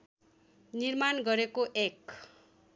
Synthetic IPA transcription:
nirmanɡʌɾekoʔek

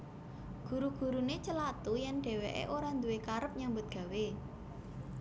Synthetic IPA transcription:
ɡ̥ṳɾuɡ̥ṳɾunet͡ʃəlat̪ujɛnɖ̥ɛ̤wḛʔḛʔoɾand̪uwekaɾəp̚ɲambʊt̪̚ɡ̥ä̤we

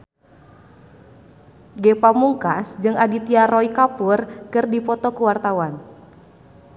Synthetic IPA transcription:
ɡepamuŋkasd͡ʒɨŋʔadit̪iaɾɔikapurkɨrdipɔt̪ɔkəwart̪awan

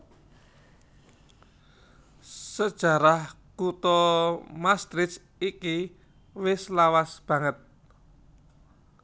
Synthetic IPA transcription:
səd̥ʒ̥a̤ɾah | kut̪ɔmast̪ɾɪs | iki | wɪslawasb̥ä̤ŋət̪̚

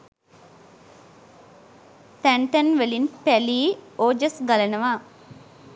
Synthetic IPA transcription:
t̪æɳʈənʋelinpæliːoːd͡ʒəsɡalɐnəʋaː

